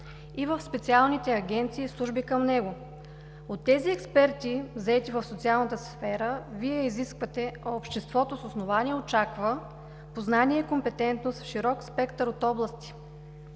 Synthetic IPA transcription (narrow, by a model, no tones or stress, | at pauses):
ivəfspɛt̪sialˠnit̪ɛɐɡʲɛnt̪siːslˠuʒbikəmnɛɡʊ | ot̪ːɛziɛkspɛɾt̪ivzɐɛt̪ivəfsot̪sialˠnət̪əsfɛɾəviɛiziskvət̪ɛːpʃt̪ɛst̪vɔt̪ososnovaniɛot͡ʃakvə | poznaniɛikompɛt̪ɛnt̪nost̪fʃiɾɔkspɛkt̪əɾot̪ɔblˠəst̪i̥